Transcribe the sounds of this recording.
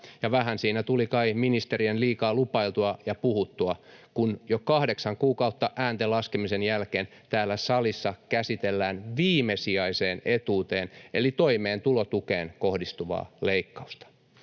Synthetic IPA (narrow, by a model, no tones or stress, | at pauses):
jɑʋæɦænsiːnæt̪ulikɑiminist̪eɾienliːkɑːlupɑilt̪uɑjɑpuhut̪ːuɑkunjokɑhdeksɑŋkuːkɑut̪ːɑʔæːnt̪elɑskemisenjælkeːnt̪æːlːæsɑlisːɑkæsit̪elːæːnʋiːmesiɑiseːnet̪uːt̪eːnelit̪oimeːnt̪ulot̪ukeːnkohdist̪uʋɑ̰ːleikːɑu̥st̪ɑ̥